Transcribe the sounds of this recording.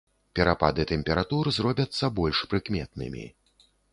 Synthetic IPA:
pʲɛɾapa̰d̪ɨt̪ɛmʲpʲɛɾat̪urzrɔbʲɐt̪sːɐbɔlʲʂpɾɨkmʲɛt̪̚nɨ̰mʲḭ

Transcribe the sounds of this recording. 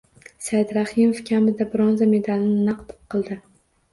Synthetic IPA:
sajd̪ɾahɪmofkʲʰamɪd̪abɪɾɒnzame̞d̪alnɪnaqt̪p̚qʰɨlˠd̪ɪ

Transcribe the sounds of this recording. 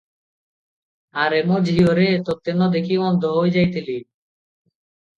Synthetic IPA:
aɾemod͡ʒʱɦioɾet̪ot̪ːenːɔd̪ekʰimɔnd̪ʱoɦojd͡ʑajt̪ili

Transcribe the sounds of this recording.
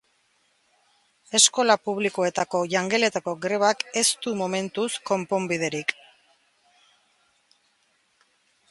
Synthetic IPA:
e̞sko̞lapuβlikoe̞t̪ako̞ʝaŋɡe̞le̞t̪ako̞ɡɾe̞βake̞st̪umome̞nt̪usko̞mpo̞mbið̞e̞ɾik

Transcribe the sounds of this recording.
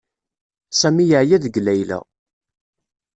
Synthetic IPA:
sæmijəʕjæðəɡlæjlæ̰

